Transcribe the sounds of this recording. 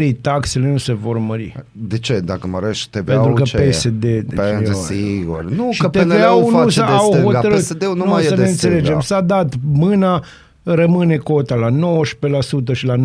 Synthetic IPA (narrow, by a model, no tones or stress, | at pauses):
ɾit̪akse̞le̞nuse̞vo̞rməɾḭ | d̪et͡ʃed̪akəməɾeʃt̪event̪ɾukəpesed̪ed̪eeaiɡṵrnuʃikt̪eveawnusəaohot̪əɾɨted̪ennusəneɨnt̪se̞le̞d͡ʒemsad̪at̪mɨna | rəmɨne̞ko̞t̪alano̞wəʃpe̞lasut̪̬əʃilan